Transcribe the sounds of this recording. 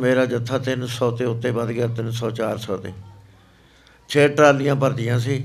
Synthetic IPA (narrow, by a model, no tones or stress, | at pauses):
meːɾaːd͡ʒət̪ʰːaːt̪ɪnsɔːt̪ẽːʊt̪ːẽːbəd̪ɡaːt̪ɪnsɔːt͡ʃaːɾsɔːt̪eː | t͡ʃʰeːʈɾaːld̪ɪjãːpəɾd̪ɪjãːs̬iː